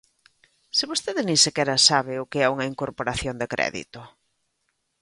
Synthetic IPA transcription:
sɪβost̪eðɪnĩnsekɛɾɐsaβ̞ɪʊkeɛuŋɐiŋkoɾpoɾaθjond̪ekɾɛ̰ðḭt̪ʊ

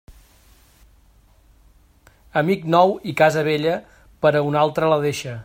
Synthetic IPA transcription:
əmiknɔwikazəβ̞eʎə | pəɾəunalˠt̪ɾələðeʃə

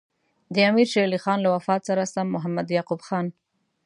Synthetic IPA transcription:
d̪əamiɾʃelixɑnlawafɑt̪saɾasamːʊɦamːad̪jɑqubxɑn

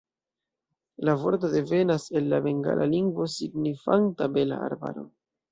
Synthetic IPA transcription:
lavo̞ɾt̬o̞de̞ve̞nase̞lːabe̞ŋɡa̰lʔa̰liŋɡvo̞siɡnifantabe̞la̰a̰ɾba̰ɾo̞̰

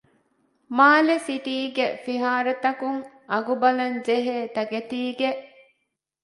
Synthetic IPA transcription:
maːlesiʈiːɡefiɦaːɾet̪ɐkuŋ | ʔɐɡubɐlɐɲd͡ʒeɦeːt̪ɐɡet̪iːɡeʔ

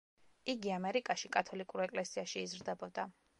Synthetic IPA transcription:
iɡiamɛɾikʼaʃikʼat̪ʰɔlikʼuɾɛkʼlɛsiaʃiːzɾd̪ɛbɔd̪a

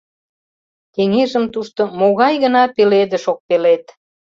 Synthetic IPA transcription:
t̪eŋeʒəmt̪uʃt̪omoɣɑjɣənɑpeled̪ə̆ʃok̚pelet̪

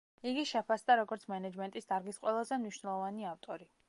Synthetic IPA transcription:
iɡiʃɛpʰasd̪aɾɔɡɔɾt̪sʰmɛnad͡ʒmɛnt̪ʼisd̪aɾɡisqʼwɛlˠazɛmniʃnɛlˠɔvaniaft̪ʼɔɾi

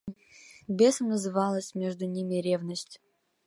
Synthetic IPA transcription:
bʲesəmnəzɨvɑlˠəsʲmʲeʐd̪ʊnʲimʲɪɾʲevnəsʲtʲ

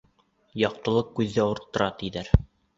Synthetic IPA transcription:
jɑq̚t̪ɤ̆lˠɤq̚kːʉðːæuɾt̪ːɤ̆ɾɑt̪iðæɾ

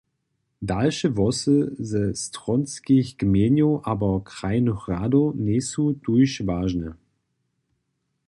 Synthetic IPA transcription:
dalʃəvɔsəzəstʁ̥ɔnskɪçɡ̥meːnjoʔaːbɐkʁ̥aɪnoχʁadoneːsud̥uçvaːʒnə

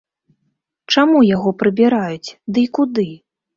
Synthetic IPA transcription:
t͡ʂamujaɣɔpɾɨbʲiɾajut͡sʲd̪ɨikud̪ɨ

